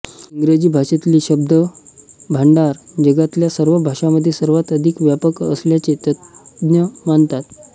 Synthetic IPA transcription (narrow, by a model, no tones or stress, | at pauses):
iŋɡɾed͡ʑiːbʱaʂet̪liːɕəb̚d̪əbʱaɳɖaɾd͡ʑəɡat̪ljasəɾʋəbʱaʂaməd̪ʱːjesəɾʋat̪əd̪ʱikʋjapəkə̰sljat͡set̪ət̪njəmant̪at̪